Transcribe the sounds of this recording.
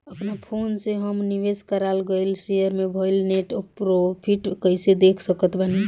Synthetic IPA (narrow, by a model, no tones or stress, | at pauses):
əpnapʰonsẽɦəmniʋeskəɾalɡəjlsejəɾmebʱəilneʈopɾopʰiʈkəjsed̪ekʰsəkət̪bʱəni